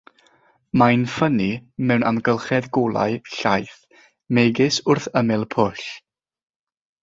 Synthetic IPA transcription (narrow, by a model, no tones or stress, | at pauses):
majnfənimɛwnanɡəlˠχɛðɡolˠa̰ɨɬajθ | meɡɪsʊrθəmɛlˠpʰʊɬ